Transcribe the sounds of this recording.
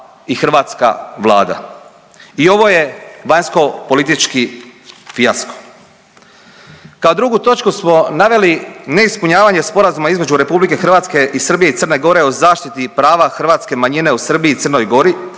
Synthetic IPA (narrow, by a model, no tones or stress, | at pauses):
ixr̩ʋaːt̪ska̰ʋlˠa̰ːd̪a̰ | io̞ʋo̞je̞ʋaɲsko̞po̞lit̪it͡ʃkifiasko̥ | kaod̪ɾuɡut̪o̞t͡ʃkusmo̞naʋe̞line̞ispuɲaːʋaɲe̞spo̞ɾazumaizme̞d͡ʑuɾe̞publike̞xr̩ʋaːt̪ske̞ʔisər̩bije̞it̪sər̩ne̞ɡo̞ɾe̞o̞zaːʃt̪it̪ipɾaːʋaxr̩ʋaːt̪ske̞maɲine̞usr̩biiːt̪ərno̞jɡo̞ɾi